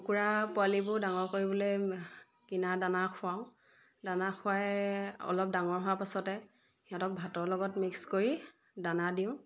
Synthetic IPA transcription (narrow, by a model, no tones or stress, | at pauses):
kuɹapʊalibʊdaŋɔɹkoɹibɔlo | kinadanakʰʊaʊ̃ | danaxʰʊwajɔ̰lɔp̚daŋɔɹɦʊwapasɔtɛ | iɦɔ̃tɔk̚bʱatɔɹlɔɡɔtmikskoɹi | danadiʊ̃